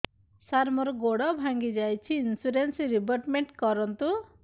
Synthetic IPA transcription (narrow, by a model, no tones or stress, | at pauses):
saɾmɔɾɔɡoɽɔbʱaŋɡid͡ʒajt͡ʃʰiːnsuɾensiɾibɔʈmeɳʈkɔɾɔnt̪u